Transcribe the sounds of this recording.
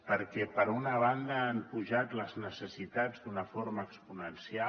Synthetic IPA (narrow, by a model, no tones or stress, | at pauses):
pəɾkɛpəɾunəβ̞and̪əampuʒat̪ləznəsəsit̪ad͡zd̪unəfoɾməːkspunənsia